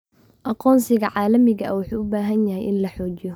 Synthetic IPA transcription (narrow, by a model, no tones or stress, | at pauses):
ʔɑqɔːnsɪɣɐʕaːlɐmɪɣɐʔwʊħuːʔʊbaːɦɐnjɐɦɛjʔɪnlɐħɔːt͡ʃɪjɔ